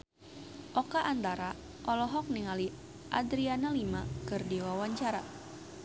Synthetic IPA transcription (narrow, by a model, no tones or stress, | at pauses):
ʔɔkaʔant̪aɾa | ʔɔlɔɦɔk̚niŋali | ʔa̰d̪ɾianalimakɨrdiwawaɲt͡ʃaɾa